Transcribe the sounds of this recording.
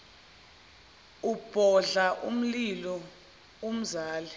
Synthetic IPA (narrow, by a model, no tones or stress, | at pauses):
ub̥ʱɔɮaʔṵm̩lilɔ | um̩zaːlɛ